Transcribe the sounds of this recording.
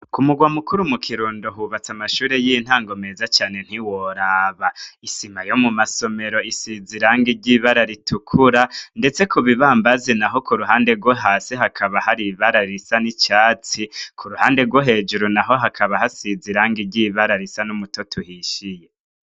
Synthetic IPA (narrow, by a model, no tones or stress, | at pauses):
kumuɡwamukuɾumukʰiɾuːndoɦuβat͡samaʃuːɾejin̥haːŋɡo̞me̞ːzat͡ʃaːne̞n̥iwoɾaːβaisimajo̞mumaso̞me̞ɾo̞isiziɾaŋɡiɾɟiβaɾaɾitʰukʰuɾande̞t͡sekʰuβiβaːmbazenaɦo̞kuɾuɦaːnde̞ɾɡwoɦaːsiɦakʰaβahaɾiβaɾaɾisanit͡ʃaːt͡sikʰuɾuhaːnde̞ɾɡwoɦe̞ːd͡ʒuɾunaɦo̞ɦakʰaβahasiziɾaːŋɡiɾɟiβaɾaɾisanumutotʰuhiʃije